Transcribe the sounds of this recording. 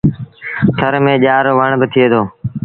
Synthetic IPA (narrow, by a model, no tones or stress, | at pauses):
t̪ʰəɾmẽːʄaːɾoːʋəɳbɪt̪ʰɪeːd̪oː